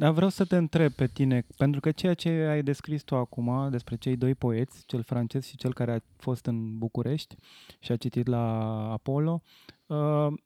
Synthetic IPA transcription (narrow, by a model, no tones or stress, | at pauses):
d̪avɾeawsət̪e̞ɨnt̪ɾe̞b̚pe̞t̪ine̞pent̪ɾukət͡ʃe̞jat͡ʃe̞ajd̪e̞skɾist̪uakumad̪e̞spɾe̞t͡ʃe̞jd̪o̞jpo̞e̞t̪sʲt͡ʃe̞lfɾant͡ʃe̞zʃit͡ʃe̞lkaɾea | fo̞st̪ɨnbukuɾʔe̞ʃt̪ʲʃiat͡ʃit̪it̪laːpo̞lo̞ | ə